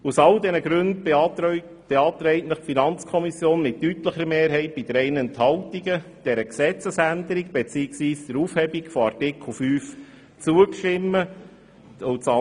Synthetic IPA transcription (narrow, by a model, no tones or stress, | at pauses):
usɑldɛnəɡɾʉnd | b̥ɛɑːt̪ɾɛɪtnəχtfinɑnt͡skʰɔmisjoːnmɪttyt̪ləχəɾmeːɾɦɛɪt̚b̥id̥̪əɾɛɪnɛnthɑltiɡəd̥ɛɾəksɛt͡səsændəɾiɡ̚b̥et͡siːəksʋiːsd̪̥əɾuːfhɛbiɡfɔɑɾtɪkl̩ˠfyːf | t͡suəkʃtɪmːə | ʊt͡sɑ